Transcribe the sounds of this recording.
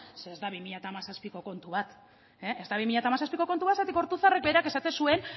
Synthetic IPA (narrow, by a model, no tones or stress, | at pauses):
seːzd̪aβimiʎat̪aːmasaspiko̞ko̞nt̪uβat̪ | eezd̪aβimiʎat̪amasaspiko̞ko̞nt̪uat̪sat̪iko̞ɾt̪uθarek̚be̞ɾeake̞sat̪e̞nsue̞n